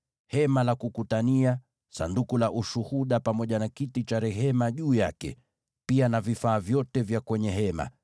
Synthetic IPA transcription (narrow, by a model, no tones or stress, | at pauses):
hɛmalakukutania | sa̰ndukulaʔuʃuhuɗapamɔʄanakitit͡ʃaɾɛɦɛmaʄuːja̰kɛ̰ | pianavifaːvjɔtɛvjakwɛɲɛɦɛma̰